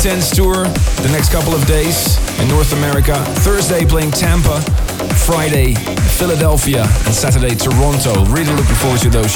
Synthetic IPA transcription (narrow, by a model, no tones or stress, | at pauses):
tʰɛ̃nstʰʊɹðɨnɛkskʰʌpl̩ˠʌvdeɪz̥ɨ̃nːɔɹθəmɛɹɪkə | θɜ˞zdeɪpʰl̥eɪɪ̃ŋtʰæ̃mpə | fɹaɪɾeɪ | fɪlˠədɛlˠfiəɨ̰̃nsæɾə˞deɪtʰə˞ɑ̃ntʰoʊɹiɾəlʊk̚bɨfɔɹðɪsəðoʊz